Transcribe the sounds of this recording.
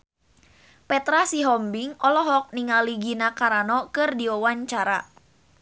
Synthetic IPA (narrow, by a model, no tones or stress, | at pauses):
pɛt̪ɾasiɦɔmbiŋɔlɔɦɔk̚niŋaliɡinakaɾanɔkɨrdiɔwaɲt͡ʃaɾa